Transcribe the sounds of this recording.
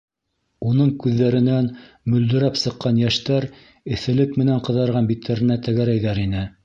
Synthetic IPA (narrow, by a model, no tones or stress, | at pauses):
unɤɴkʉðːæɾɘ̆næn | mɵ̆ld̪ɘ̆ɾæpsɤ̆qːɑnjæʃt̪æɾ | ɘ̆θɘ̆lɘkmɘ̆næɴqɤ̆ðɑɾʁɑnbit̪ːæɾɘ̆næt̪æɡæɾæjðæɾinɘ